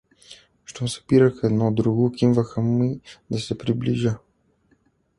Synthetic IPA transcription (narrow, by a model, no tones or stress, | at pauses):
ʃt̪omsɐ̥piɾəxɛd̪nɔd̪ɾuɡokimvəxəmid̪ɐsɛpɾibliʒə